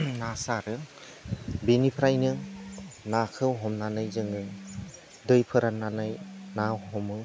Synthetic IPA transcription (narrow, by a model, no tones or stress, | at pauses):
nasaɾɯ | binipʰɾajnɯ | nakʰɯwɦɔmnanɯjzɯŋɯ | dɯjpʰɯɾananajnawɦɔmɯ